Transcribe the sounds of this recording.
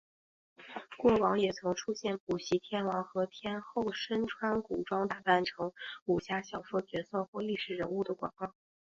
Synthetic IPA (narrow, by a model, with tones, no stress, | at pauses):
kwɔ˥˩wɑ˧˥ŋjɛ˨˩t͡sʰɤ˧˥ŋʈ͡ʂʰu˥ɕjɛ˥˩np̚u˨˩ɕi˧˥t̪ʰjɛ˥nwɑ˧˥ŋxɤ˧˥t̪ʰjɛ˥nxo˥˩ʊʂə˥nʈ͡ʂʰwa˥nku˨˩ʈ͡ʂwɑ˥ŋt̪a˥˩p̪a˥˩nʈ͡ʂʰɤ˧˥ŋu˨˩ɕja˥˩ɕjɑ˨˩ʊʂɤ˥t͡ɕɥɛ˧˥sɤ˥˧xwɔ˥˧li˥˩ʂɻ̩˨˩ɻə˧˥nu˥˩d̪ə˩kwa̰˨˩ŋkɑ˥˩ŋ